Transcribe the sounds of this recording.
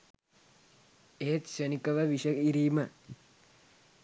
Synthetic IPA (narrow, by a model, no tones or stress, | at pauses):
eːt̪ʃənikɐʋəʋiʂɐiɾiːmə